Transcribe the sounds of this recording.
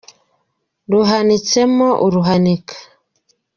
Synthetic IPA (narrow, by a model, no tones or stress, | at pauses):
ɾuɦanit͡semoʔuɾuɦanikʰḁ